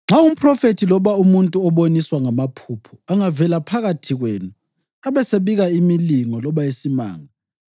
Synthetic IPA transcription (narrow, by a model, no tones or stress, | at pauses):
ŋ͡ǁʱaum̩pʰʼrɔfetʰilɔβaumuntʼuɔβoniswaŋamapʰupʰuaŋavɛlapʰaɣatʰiɣwenu | aβɛseβiɣaimiliŋɔlɔβajesima̰ːŋa